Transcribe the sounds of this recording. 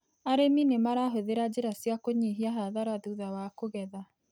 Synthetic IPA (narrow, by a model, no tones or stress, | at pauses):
aɾeminemaɾaɦoðeɾad͡ʒeɾasjakoɲeɦiaɦaðaɾaðuðawakoɣɛða